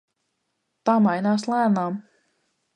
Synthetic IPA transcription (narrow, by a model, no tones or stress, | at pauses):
t̪aːmajnaːslˠæːnaːm